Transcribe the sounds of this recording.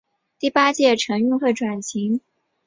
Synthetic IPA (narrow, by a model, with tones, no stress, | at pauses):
t̪i˥˩pa˥t͡ɕjɛ˥˩ʈ͡ʂʰɤ˧˥ŋy˥˧ŋxwe˥˩ɪʈ͡ʂwa˨˩nɕi˧˥ŋ